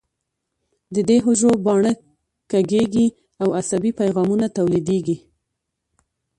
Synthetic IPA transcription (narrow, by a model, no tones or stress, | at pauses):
d̪əd̪eɦoʒobɑɳə | kaɡeɡi | awasabipajɣɑmunat̪awlid̪eɡi